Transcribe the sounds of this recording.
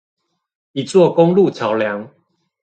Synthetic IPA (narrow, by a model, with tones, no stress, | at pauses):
i˨˩t͡swɔ˥˨ko˦ŋlu˥˨t͡ɕʰja˨˦ʊlja˨˦ŋ